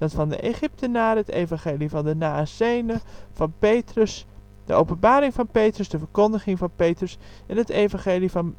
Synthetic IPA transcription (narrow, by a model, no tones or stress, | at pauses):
d̥ɑtfɑndə̰ʔḛχɪp̚tənaːrɦətḛjvɑ̃ŋχeːlivɑndənaːsejnəv̥ɑnpejtrəs | d̥ə̰ʔowpənbaːɾɪŋvɑnpejtrəsdəvəɹkɔndəχɪŋvɑnpejtrəs | ɛnɦətejvɑ̃ŋχeːlivɑn